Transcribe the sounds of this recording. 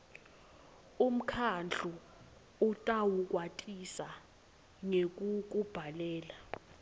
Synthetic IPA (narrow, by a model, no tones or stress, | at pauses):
um̩kʰand͡ɮʱu | utʼawuk̬ʼwatʼisa | ŋek̬uk̬ub̥ʱalɛːla